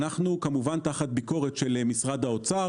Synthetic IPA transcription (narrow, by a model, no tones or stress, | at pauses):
naχnukamuvant̪aχat̪̚biko̞ʁet̪ʃelmisʁad̪hao̞t͡sa